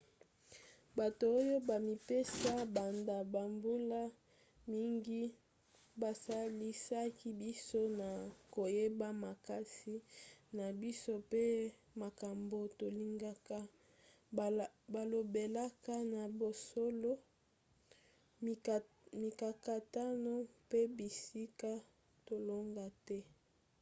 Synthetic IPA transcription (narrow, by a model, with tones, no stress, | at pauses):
ba˨to˨o˦jo˦ba˨mi˨pe˦sa˦ba˨nda˨ba˨mbu˦la˦ | mi˦ŋɡi˦ | ba˨sa˦li˦sa˦ki˦bi˦so˦na˨ko˨je˦ba˦ma˨ka˦si˦na˨bi˦so˦pe˦ | ma˨ka˨mbo˨to˨li˦ŋɡa˦ka˦ | ba˨lo˨be˨la˦ka˦na˨bo˨so˦lo˦˨ | mi˨ka˨ka˨ta˦no˦pe˦bi˨si˦ka˦ | to˨lo˦ŋɡa˦tɛ˦